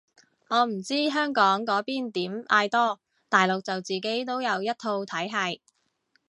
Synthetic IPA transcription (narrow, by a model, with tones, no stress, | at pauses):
ŋɔː˨˧m̩˨˩t͡siː˥ɦœː˥ŋkɔː˨˥ŋkɔː˨˥piː˥nt̪iː˨˥mʔaː˧jt̪ɔː˥ | t̪aː˨jlʊ˨k̚t͡sɐ˨wt͡siː˨˩ke˨˥jt̪o˥wjɐ˨˧wjɐ˥t̚t̪ʰo˧wt̪ʰɐ˨˥jɦɐ˧j